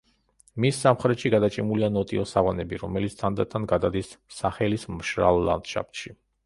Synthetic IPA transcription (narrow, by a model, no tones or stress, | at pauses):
misːamχɾɛt̪ʃiɡad̪at͡ʃʼimulianɔt̪ʼiɔsaʁanɛbiɾɔmɛlit̪sʰt̪ʰand̪at̪ʰːanɡad̪ad̪isːaχɛlismʃɾa̰lˠːa̰nd̪̥ʃa̰pt̪ʃi